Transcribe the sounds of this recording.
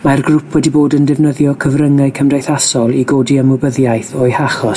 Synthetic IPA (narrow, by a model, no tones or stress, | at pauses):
marɡrʊpʰwɛdiboːdəndɛvnəðjɔkʰəvrəŋaɨkʰəmdajθasɔlˠiɡoːdiəmɔbəðjajθɔjhaχɔ